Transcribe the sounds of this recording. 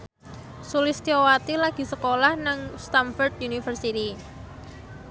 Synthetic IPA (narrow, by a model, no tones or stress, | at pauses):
sulɪst̪iowat̪ilaɡ̥i̤səkolahnəŋst̪amfɔrd̪̚junifərsit̪i